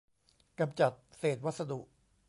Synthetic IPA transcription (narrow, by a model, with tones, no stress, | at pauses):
ka˧mt͡ɕa˨˩t̪̚seː˨˩t̪̚wa˦˥t̪̚sa˧d̪u˨˩ʔ